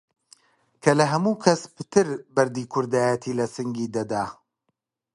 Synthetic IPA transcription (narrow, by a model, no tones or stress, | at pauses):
kʰɐlɐɦɐmuːkʰɐspɨ̥t̪ʰɨɾbɐɾd̪iːkʰʊɾd̪aːjət̪ʰiːlɐsɨŋɡiːd̪ɐd̪aː